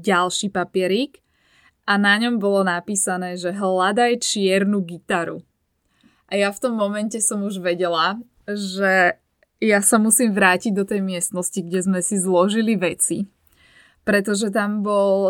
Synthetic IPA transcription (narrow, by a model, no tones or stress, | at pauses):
ɟalʃiːpapɪɛɾiːk | ʔanaɲɔmbɔlɔnapiːsanɛːʒɛɦlad̪ajt͡ʃɪɛɾnuɡit̪aɾu | ʔajaft̪ɔmːɔmɛncɛsɔmuʒʋɛɟɛla | ʒɛ | jasamusiːmʋɾaːciɟ̚d̪ɔt̪ɛjmɪɛst̪nɔsciɡɟɛzmɛsizlɔʒiliʋɛt͡si | pɾɛt̪ɔʒɛt̪ambɔl